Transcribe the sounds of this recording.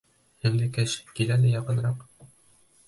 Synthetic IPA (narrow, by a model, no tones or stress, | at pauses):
hɘ̆ŋlɘkæɕkilælɘjɑqɤ̆nɾɑq